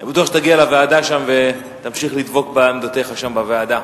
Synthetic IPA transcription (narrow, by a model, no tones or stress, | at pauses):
betuaχʃet̪aɡialaveadaʃamve̞ | t̪amʃiχlid̪bo̞kbamd̪ot̪e̞χaʃambavead̪a